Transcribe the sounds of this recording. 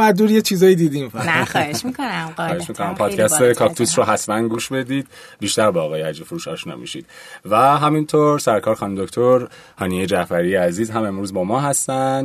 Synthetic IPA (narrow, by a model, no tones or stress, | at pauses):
mæd̪uːɾjet͡ʃʰiːzɒːjid̪iːd̪imχeʃmiikonæɒːheʃmikʰonæmpʰɒːd̪cʰæst̪ekʰɒːkt̪ʰusroɦæsmænɡuːʃbe̞d̪iːd̪̚ | biːʃt̪æɾbɒːɣɒːjeæd͡ʒefoɾuːʃɒːʃnɒ̰ːmḭʃḭd̪̥̚ | væɦæmint̪ʰoɾsæɾkʰɒːɾxɒːnid̪okt̪ʰo̞ɾ | hɒːnijed͡ʒæfæɾijeæziːzɦæme̞mɾuːzbɒːmɒːɦæst̪æ